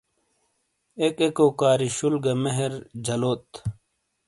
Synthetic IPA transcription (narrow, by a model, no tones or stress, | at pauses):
ekekoːkaːɾiɕulɡɐmeɦeɾd͡ʑɐloːt̪